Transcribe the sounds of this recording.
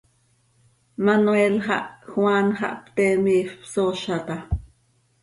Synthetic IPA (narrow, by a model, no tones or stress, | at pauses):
manuelχɑ̰ʔxwanχɑ̰ʔpt̪emiːfpsoʃat̪a